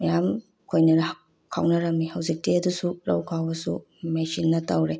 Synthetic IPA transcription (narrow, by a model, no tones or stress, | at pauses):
mɐjam | kʰojnɐɾɐ | kʰawnɐɾɐmːihɐwzik̚teɐdusuɾɐ̰wkʰawbɐsṵ | mesinːɐtɐwɾe